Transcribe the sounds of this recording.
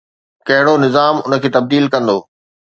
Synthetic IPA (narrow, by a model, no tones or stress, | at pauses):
kɐɦɪɽonɪzaːmʊnə̆kʰeːt̪ɐb̚d̪iːlkɐ̃nd̪oː